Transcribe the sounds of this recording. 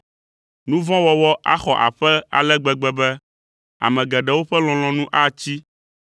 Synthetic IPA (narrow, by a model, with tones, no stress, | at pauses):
nũ˦vɔ̃˦wɔ˨wɔ˦ʔa̰˦xɔ˨ʔa̰˨ɸɛ˦a̰˨lɛ˦ɡ͡bɛ˨ɡ͡bɛ˦bɛ˦ | a̰˨mɛ̃˨ɡɛ˨ɖɛ˨wo˦ɸɛ˦l̃ɔ̃˨l̃ɔ̃˨nũ˦ʔa˦t͡ɕi˦